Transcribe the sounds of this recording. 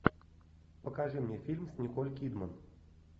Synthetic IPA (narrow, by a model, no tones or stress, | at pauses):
pəkaʐɨmnʲefʲilʲmsʲnʲɪkolʲkʲid̪mən